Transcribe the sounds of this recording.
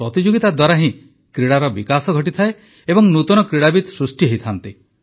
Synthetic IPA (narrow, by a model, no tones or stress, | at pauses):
pɾɔt̪id͡ʒoɡit̪ad̪waɾaɦĩ | kɾiɽaɾɔbikasɔɡʱɔʈit̪ʰae | ebɔŋnut̪ɔnɔkɾiɽabid̪sɾusʈiɦejt̪ʰant̪i